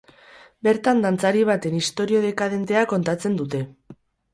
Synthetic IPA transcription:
be̞ɾt̪and̪ant͡saɾiβ̞at̪e̞nist̪o̞ɾio̞ð̞e̞kað̞e̞nt̪e̞ako̞nt̪at͡se̞nd̪ut̪e̞

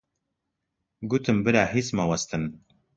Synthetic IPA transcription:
ɡut̪ɨmbɨɾaːɦismawɐst̪ɨn

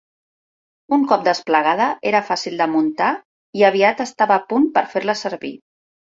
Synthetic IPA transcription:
uŋkɔp̚d̪əspləɣ̞að̞əʔeɾəfasilˠd̪əmunt̪a | iəβ̞iat̪əst̪aβəːpunpəɾfeɾləsəɾβḭ

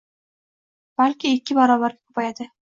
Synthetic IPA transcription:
b̥alʲkʲɪekʲːɪbɒɾɒbaɾɡʲakʰɵ̥pajad̪ɪ

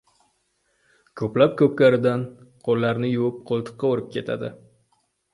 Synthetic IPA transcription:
kʰɵplap̚kʰɵp̚kʲaɾɪd̪anqʰolːaɾnɪjʊwɪp̚qʰolˠt̪ʰɨ̥qːɑoɾɪp̚kʲʰe̞t̪ʰa̰d̪ɪ

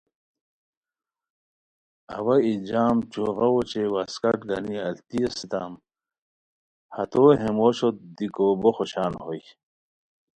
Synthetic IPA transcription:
ɐ̰wɐid͡ʑaːmt͡ɕoːɣɐwot͡ɕewaskɐʈɡɐ̰niɐlt̪ijɐsit̪a̰ːm | hɐt̪oɦemoɕot̪̚d̪ikoboxoɕaːnhoj

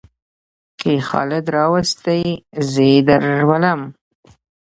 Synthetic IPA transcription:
kexɑ̰lɪd̪ɾɑwast̪əjzəd̪aɾwalam

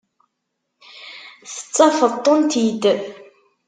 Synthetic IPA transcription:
θə̥t͡sːɑfət̪ˤːənt̪id̪ə

